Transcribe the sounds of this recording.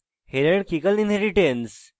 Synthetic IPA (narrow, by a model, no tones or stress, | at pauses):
heɾeɽkʰikəlninɦeɾiʈens